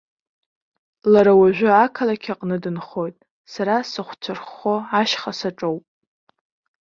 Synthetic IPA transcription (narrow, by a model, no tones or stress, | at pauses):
laɾawaʒᶣʷɪakʰalakʲʰaqʼnɨdɨnχo̞jtʼ | saɾasɨχʷt͡sʷʰɨrχːo̞aʃχasaʈ͡ʂʼowpʼ